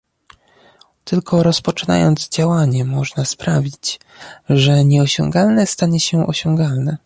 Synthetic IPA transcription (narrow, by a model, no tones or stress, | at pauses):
t̪ɘlkʰɔɾɔspɔt͡ʂɘna̰jɔ̰nd̪zd͡ʑawaɲɛmɔʐnaspɾavʲit͡ɕ | ʐɛɲɛɔɕɔ̰̃ŋɡalnɛst̪aɲɛɕɛʔɔ̰ɕɔŋɡalnɛ